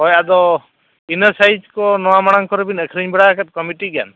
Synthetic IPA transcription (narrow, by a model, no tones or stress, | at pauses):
ɔjad̪ɔ | inəsajd͡ʒkɔnɔwamaɽ̃aŋkɔɾɛbinəkʰɾiɲbɛɽakat̪̚ˀkɔmiʈiɡa̰n